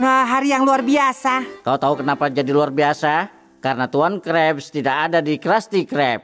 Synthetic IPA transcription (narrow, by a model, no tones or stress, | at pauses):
əɦaɾijaŋluarbiasakalut̪aukənapad͡ʒadiluarbiasa | kaɾənat̪uankɾɛpst̪idakadadikɾast̪ikɾɛp̚